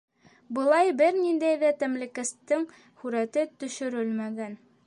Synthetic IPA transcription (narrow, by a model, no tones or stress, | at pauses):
bɤ̆lˠɑjbɘɾnind̪æjðæt̪æmlɘ̆kæst̪ɘŋ | hʉɾæt̪ɘt̪ɵ̆ʃɵ̆ɾɘlmæɡæn